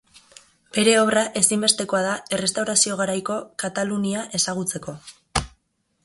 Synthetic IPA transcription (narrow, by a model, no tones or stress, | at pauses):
be̞ɾe̞o̞βraʔe̞simbe̞st̪e̞ko̞aðae̞re̞st̪awɾasio̞ɣ̞aɾajko̞kat̪aluniaʔe̞saɣ̞ut͡se̞ko̞